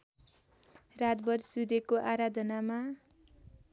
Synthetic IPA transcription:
rat̪bʌrsud̪ekoʔaɾad̪ʱʌnama

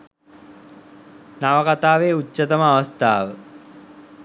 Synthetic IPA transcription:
naʋəkat̪aːʋeːut͡ʃːət̪əməaʋɐst̪aːʋə

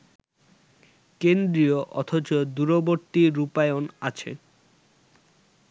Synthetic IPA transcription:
kend̪ɾioʔɔt̪ʰot͡ɕod̪uɾoboɾt̪iɾupaeonat͡ɕʰḛ

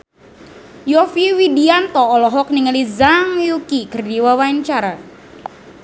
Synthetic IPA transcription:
jɔfiwidiant̪ɔːlɔɦɔk̚niŋəlizaŋjukikərdiwawaɲt͡ʃaɾa

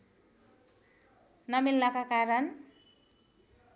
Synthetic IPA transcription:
nʌmilnakakaɾʌn

